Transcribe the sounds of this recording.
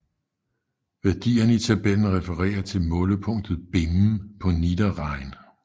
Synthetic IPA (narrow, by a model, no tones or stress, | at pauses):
ʋæɐd̥ḭːɐnəit͡sʰæb̥el̰n̩ʁɛfəʁɛ̰ːɐt͡sʰe̝lmɔ̽ːləpʰɔ̽ŋ̰d̥ð̞̩ˠb̥em̩pʰɒ̽nid̥ɐʁɑ̈ɪ̰n